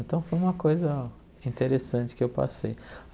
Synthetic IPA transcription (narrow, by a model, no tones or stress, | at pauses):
nt̪ɐ̃w̃fojũmɐkojzɐ | ĩnt̪eɾesɐ̃t͡ʃɪ̥kɪewpa̰sej